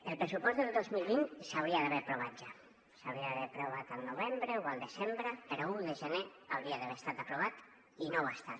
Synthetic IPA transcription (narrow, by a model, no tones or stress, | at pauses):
elˠpɾesupɔzðelˠd̪ozmilˠβinsawɾiaðaβeɾpɾuβad͡ʒa | sawɾiaðaβeɾpɾoβat̪alˠnuβ̞embɾewalˠd̪ezembɾepeɾɔuðeʒəneawɾiaðaβeɾest̪at̪apɾuβ̞at̪ | inoβast̪a